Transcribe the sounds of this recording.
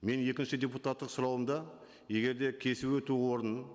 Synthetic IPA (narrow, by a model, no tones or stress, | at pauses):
me̞nje̞kʲɪnʃɪd̪ʲe̞put̪at̪ːəqsʊɾɑwəmd̪ɑ | je̞ɡʲe̞ɾd̪e̞kʲʰe̞sɪpwɵt̪uwo̞ɾən